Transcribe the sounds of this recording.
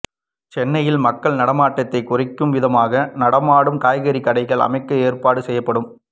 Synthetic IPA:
t͡ʃɛnːɐjɪlmɐkːɐɭnɐɽɐmaːʈːɐt̪ːɐɪkːʊrɪkːɯmʋɪðɐmaːɣɐnɐɽɐmaːɽɯmkaːjɣɐɾikɐɽɐɪɣɐɭɐ̰mɐɪkːɐeːrpaːɽɯsɛjːɐpːɐɽɯm

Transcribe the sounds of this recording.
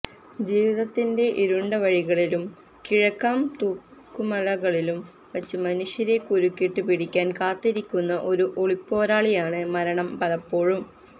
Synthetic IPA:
d͡ʑiːʋiðɐt̪ːinde̞ʔiɾuɳɖɐʋɐɻiɣɐɭilum | kiɻɐkːaːmt̪uːkːumɐlɐɣɐɭilum | ʋɐt͡ɕːɨmɐnuʂjɐɾe̞kuɾukʲːiʈːɨpiɽikʲːaːnkaːt̪ːiɾikʲːunːɐʔo̞ɾuʔoɭipːo̞ːɾaːɭijaːɳɨmɐɾɐɳɐmpɐlɐpːo̞ːɻum

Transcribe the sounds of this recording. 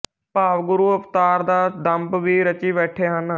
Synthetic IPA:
paːʋɡʊɾuːəpt̪aːɾd̪aːd̪əmbʋiːɾət͡ʃiːbɛːʈʰeːɦən

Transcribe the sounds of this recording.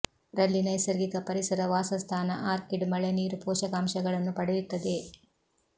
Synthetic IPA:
ɾɐlːinɐjsɐɾɡik̪ɐpɐɾisɐɾɐʋaːsɐst̪ʰaːnɐʔaːɾkiɖmɐɭeniːɾupɔːʃɐɡaːmʃɐɡɐɭɐnːupɐɽɐjut̪ːɐd̪e̞

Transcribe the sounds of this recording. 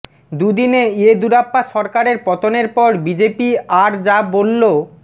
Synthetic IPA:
d̪ud̪ineed̪uɾapːaʃɔɾkaɾeɾpɔt̪oneɾpɔɾbid͡ʑepiaɾd͡ʑabolːo

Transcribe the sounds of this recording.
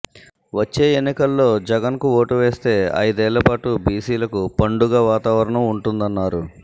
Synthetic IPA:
ʋɐt͡ʃːe̞ːenːikɐlːo̞ːd͡ʒɛɡɐnkuo̞ːʈuʋe̞ːst̪e̞ːɐ̰jd̪ɛːlːɐpaːʈubiːsiːlɐkupɐɳɖuɡaːʋaːt̪aːʋɐɾɐɳɐmuɳʈund̪ɐnːaːɾu

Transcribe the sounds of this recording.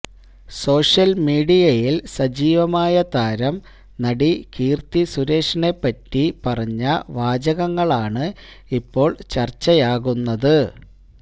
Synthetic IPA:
so̞ːʂjɐlmiːɽijɐjilsɐd͡ʑiːʋɐmaːjɐt̪aːɾɐm | nɐɽikiːrt̪isuɾe̞ːʂɐɳe̞pːɐtːipɐrɐɲːɐʋaːd͡ʑɐɣɐŋːɐɭaːɳɨ | ipːo̞ːɭt͡ɕɐrt͡ɕːɐjaːɣunːɐðɨ

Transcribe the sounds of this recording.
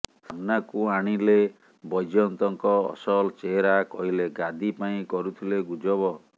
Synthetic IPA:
samnakuaɽ̃ile | bɔjd͡ʒɔnt̪ɔŋkɔ̰ːsɔlt͡ʃeɾakɔɦileɡad̪ipaĩkɔɾut̪ʰileɡud͡ʒɔbɔ

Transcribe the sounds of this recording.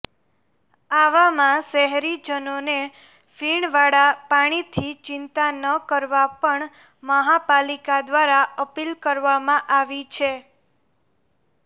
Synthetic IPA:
aʋamãʃɛɦɾid͡ʒənone | fiɳʋaɽapaɽ̃it̪ʰit͡ʃɪnt̪anəkəɾʋapəɳ | məɦapalikad̪ʋaɾaəpilkəɾʋamãʔaʋit͡ʃʰe

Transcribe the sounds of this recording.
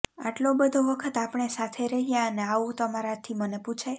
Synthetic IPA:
a̰ʈlobəd̪ʱoʋəkʰət̪apɳ̃esat̪ʰeɾəɦijãəneaʋũt̪əmaɾat̪ʰiməneput͡ʃʰe

